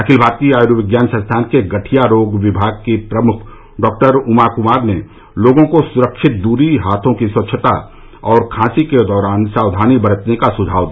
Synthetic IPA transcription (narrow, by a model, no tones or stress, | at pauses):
ɐkʰɪlbʱaːɾt̪iaːjɾuʋɪɡjaːnsɐ̃nst̪ʰaːnkeɡɐʈʰijaɾoːɡʋɪbʱaːɡ̚kepɾɐmʊkʰ | ɖɔːk̚ʈəɾʊmakʊmaːɾne | loːɡõkosʊɾəkʃɪt̪̚d̪uːɾiɦaːt̪ʰõkiswɐtːʃʰət̪a | ɔːɾkʰãːsiked̪ɔːɾaːnsaːʋd̪ʱaːnibɐɾət̪nekasʊd͡ʒʱaːʋd̪i